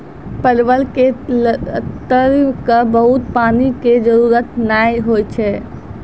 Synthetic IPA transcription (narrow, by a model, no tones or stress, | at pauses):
pəɾbəlke | t̪əɾkəbəɦut̪paniked͡ʒəɾuɾət̪najɦojt͡ʃʰɛ